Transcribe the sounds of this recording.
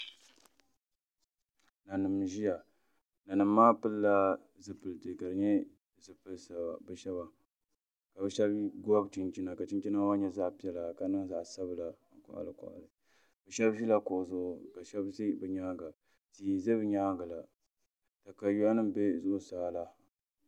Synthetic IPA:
na˨nɨ˨mʒi˦ja˨ | na˨nɨ˨mː˦aː˦pɨ˦lːa˦ | zɨ˨pɨ˨ltɨ˨ka˨dɨ˨ɲɛ˦˨ | zɨ˨pɨ˨˦lsa̰˨bɛ˨ʃɛ˦βa˨ | ka˨bɨ˦ʃɛ˦bɡa˦bt͡ʃi˨nt͡ʃi˦na˨ka˨t͡ʃi˦nt͡ʃi˦na˦wa˦ɲɛ˦za˦ʔpi˦ɛ˦la˨ka˨nɨ˦ŋza˨sa˦bla˨ŋ̩˨kʊ̰˨ʔa̰˨lɨ˨kɔ̰˨ʔa̰˨lɨ˨ | bɛ˨ʃɛ˦bvi˦la˦kʊ˨ʔzʊ˦˨ʊ˨ka˨ʃɛ˦bzi˦bɨ˨ɲaː˦ɡa˨ | ti˨zɨ˦bɲaː˦ɡa˨la˨ | ta˨ka˨ju˦a˦nɨ˦m˨be˦zʊ˦ʔʊ˦saː˦la˦

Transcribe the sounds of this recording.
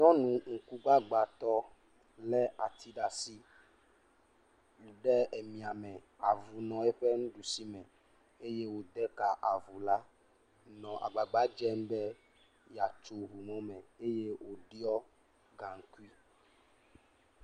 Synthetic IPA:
ɲɔ̃˦nũ˨ŋ̩˨ku˦ɡ͡ba˦ɡ͡ba˨t̪ɔ˦ | lɛ˦a˨t̪ʰi˦ɖa˨si˦˨ | ɖɛ˦e˨mĩ˨a˨mɛ̃˨ | a˨vu˨nɔ̃˨e˦ɸɛ˦nũ˦ɖu˨si˦mɛ̃˨ | e˦je˦wo˨d̪ɛ˦ka˨ʔa˨vu˨la˦ | nɔ̃˨ʔa̰˨ɡ͡ba˨ɡ͡ba˨˦d͡ʒɛ˦m̩˦bɛ˦ | ja˨t͡ʃo˨βu˨mɔ̃˦mɛ̃˨e˦je˦wo˨ɖi˦ɔ˦ | ɡa˨ŋ̩˨˦ku˦i˦

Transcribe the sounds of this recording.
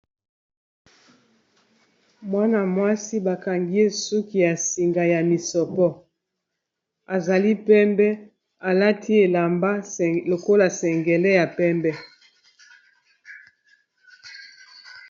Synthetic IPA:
mwa˦na˨mwa˦si˦ba˨ka˨ŋɡi˦e˦su˦ki˨ja˨si˨ŋɡa˨ja˨mi˨sɔ˨pɔ˦ | a˨za˨li˦pɛ˦mbɛ˦ | a˨la˦tʰi˦e˨la˨mba˦lo˨ko˦la˨sɛ˨ŋɡɛ˨lɛ˦ja˨pɛ˦mbɛ˦

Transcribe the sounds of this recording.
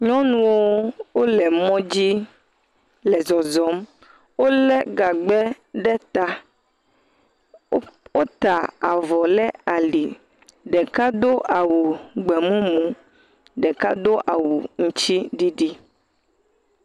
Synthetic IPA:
ɲɔ̃˦nũ˦wo˦wo˦lɛ˨mɔ̃˦d͡ʑi˦ | lɛ˨zɔ˨zɔ˨˦m | wo˦lɛ˦ɡa˨ɡ͡bɛ˦ | ɖɛ˦t̪a˦ | wo˦t̪a˨a˨vɔ˨lɛ˦a˨li˨ | ɖɛ˨ka˦d̪o˦ʔa˨wu˨ɡ͡bɛ˨mũ˦mũ˦ | ɖɛ˨ka˦d̪o˦ʔa˨wu˨ŋũ˦t͡ɕi˦ɖi˦ɖi˦

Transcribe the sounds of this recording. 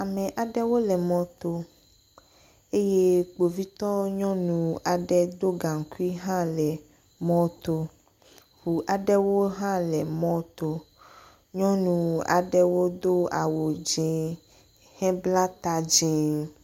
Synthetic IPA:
a˨mɛ̃˨ʔa˨ɖɛ˦wo˦lɛ˨mɔ̃˦t̪o˦ | e˦je˦k͡po˨vi˦t̪ɔ˦ɲɔ̃˦nũ˨a˨ɖɛ˦d̪o˦ɡã˨ŋ˨ku˦i˦ɦã˦lɛ˨ | mɔ̃˦t̪o˦ | hu˨ʔa˨ɖɛ˦wo˦ɦã˦lɛ˨mɔ̃˦t̪o˦ | ɲɔ̃˦nũ˨a̰˨ɖɛ˦wo˦d̪o˦a˨wo˨d͡ʒẽ˨ | hɛ̃˦bla˦t̪a˦d͡ʒẽ˨

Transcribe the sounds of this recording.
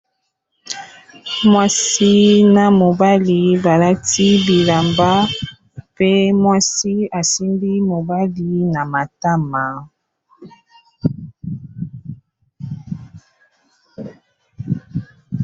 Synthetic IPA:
mwa˦si˦na˨mo˨ba˦li˨ba˨la˦ti˦bi˨la˨mba˦ | pe˦mwa˦si˦a˨si˦ndi˦mo˨ba˦li˦na˨ma˨ta˦ma˨

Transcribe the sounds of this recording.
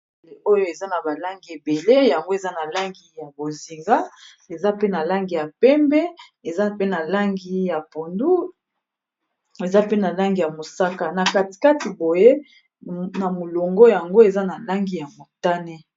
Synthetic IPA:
e˨o˦jo˦e˨za˦na˨ba˨la˦ŋɡi˨e˨be˨le˦ja˨ŋɡo˦e˨za˦na˨la˦ŋɡi˨ja˨bo˨zi˨ŋɡa˦ | e˨za˦pe˦na˨la˦ŋɡi˨ja˨pɛ˦mbɛ˦ | e˨za˦pe˦na˨la˦ŋɡi˦ja˨po˨ndu˦ | e˨za˦pe˦na˨la˦ŋɡi˨ja˨mo˨sa˦ka˦na˨ka˨ti̥˨ka˦ti˨bo˨je˦ | na˨mo˨lo˨ŋɡo˦ja˨ŋɡo˦e˨za˦na˨la˦ŋɡi˦˨ja˨mo˨ta˦ne˦

